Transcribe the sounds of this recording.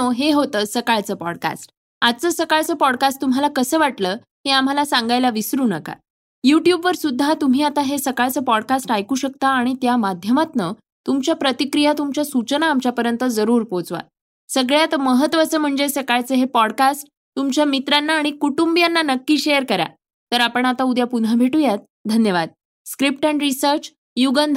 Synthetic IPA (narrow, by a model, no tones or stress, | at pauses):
oɦeɦot̪əːsəkaɭt͡səːpɔ̰ɽka̰sʈ | at͡səsəkaɭt͡səːpɔɽkasʈ̚t̪um̤ɦalakəsəːʋaʈləː | ɦeam̤alasaŋɡajlaʋisɾuːnəka̰ | juʈjubʋəɾsud̪ʱːat̪um̤iːat̪aɦesəkaɭt͡səːpɔɽkasʈajkuːɕək̚t̪aːɽ̃it̪jamad̪ʱjəmat̪nə | t̪umt͡ɕjapɾət̪ikɾijat̪umt͡ɕjasut͡ɕənaːmt͡ɕjapəɾjənt̪əd͡zəɾuːɾpot͡sʋa̰ | səɡɭjat̪məɦət̪ʋat͡səm̤əɳd͡zesəkajt͡səɦepɔɽkasʈ̚ | t̪umt͡ɕjamit̪ɾanːaːɽ̃ikuʈumbijanːanəkːiːɕeəɾkəɾa̰ | t̪əɾapəɳat̪aud̪japun̤abʱeʈujat̪̚ | d̪ʱənjəʋad̪̚ | skɾip̚ʈɛɳɾisəɾt͡s | juɡənd̪ʱ